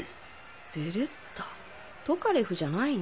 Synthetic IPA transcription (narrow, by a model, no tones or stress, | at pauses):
d̥eɾɯ̟t̪ʰːḁ | t̪o̞kaɾeɸɯ̟ʑanain